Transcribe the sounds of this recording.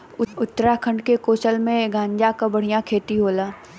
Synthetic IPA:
ʊʊt̪ːɾakʰə̃ɳɖkekoːsəlmẽɡʱãːɲd͡ʒakabɐɽijãkʰeːt̪iɦoːlaː

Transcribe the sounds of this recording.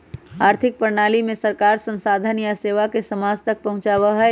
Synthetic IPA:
aːɾt̪ʰɪk̚pəɾnaːlimẽsəɾkaːɾsə̃nsaːd̪ʱənjaseːʋakesɐmaːzt̪ɐk̚pɐɦʊ̃t͡ʃaːʋəɦɛ

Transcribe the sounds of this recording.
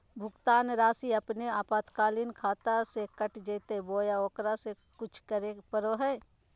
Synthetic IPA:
bʱʊɡt̪aːnɾaːsiəpneaːpaːt̪kaːlinkʰaːt̪asekəʈd͡ʒeːt̪eboːjaoːkɾase | kʊt͡ʃʰkəɾepəɾoɦɛː

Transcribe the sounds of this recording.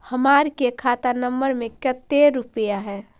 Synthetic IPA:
həmaɾkekʰat̪anəmbəɾmẽkət̪ːeɾupəjaɦɛː

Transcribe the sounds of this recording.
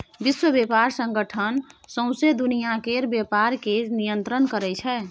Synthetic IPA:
biswəbepaɾsə̃ŋɡəʈʰənsə̃ʊ̃sed̪unijakeɾbjepaɾkenijənt̪ɾənkəɾɛt͡ʃʰɛ

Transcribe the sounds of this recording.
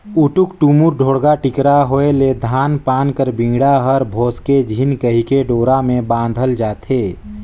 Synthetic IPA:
ʊʈʊkʈumʊɾɖʱoːɽɡaʈɪkɾaɦoːeled̪ʱaːnpaːnkəɾbɪ̃ŋɡɽaɦəɾbʱoːsked͡ʒʱinkəɦikeɖoːɾamẽbãːn̆d̪ʱəld͡ʒaːt̪eː

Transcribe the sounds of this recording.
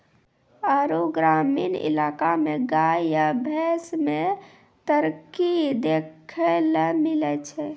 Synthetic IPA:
əɾoɡɾaminḭlaːkameɡajabʱɛsmẽ | t̪əɾkid̪ekʰelmilɛt͡ʃʰɛ

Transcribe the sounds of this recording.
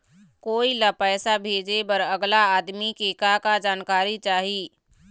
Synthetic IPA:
koːilapɛːsabʱeːd͡ʒebəɾəɡlaaːd̪mikeːkakad͡ʒaːnkaːɾit͡ʃaːɦiː

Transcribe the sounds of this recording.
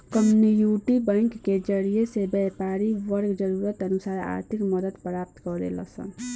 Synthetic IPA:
kəmnijuʈibə̃ŋkːed͡ʒəɾijesebɛpaɾiʋəɾɡd͡ʒəɾuɾət̪ənusaɾa̰ɾt̪ʰikməd̪əd̪pɾap̚t̪kɔɾḛlə̰sə̰n

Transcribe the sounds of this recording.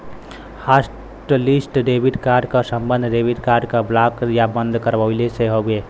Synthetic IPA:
has | ʈlisʈɖebiɖkaːɾɖkasə̃mbə̃nd̪ʱɖeːbiɖkaːɾɖkablaːkjabə̃nd̪ʱkəɾbaleseɦoɡeː

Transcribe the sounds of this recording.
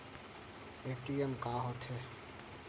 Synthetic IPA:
eːʈiemkaːɦot̪ʰɦɛː

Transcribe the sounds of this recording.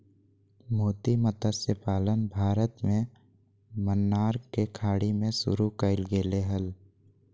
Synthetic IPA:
moːt̪imət̪əsepaːlənbʱaːɾət̪mẽ | mənːaːɾkekʰaːɽimẽsʊ̰ɾukəɪlɡeːleɦəl

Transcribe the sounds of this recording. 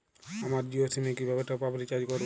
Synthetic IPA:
amaɾd͡ʑiosʰimekibʱabeʈapablikad͡ʑkoɾb

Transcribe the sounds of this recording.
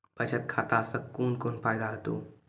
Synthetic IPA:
pət͡ʃʰət̪kʰat̪asəkoːnkoːnpajd̪aɦət̪o̰

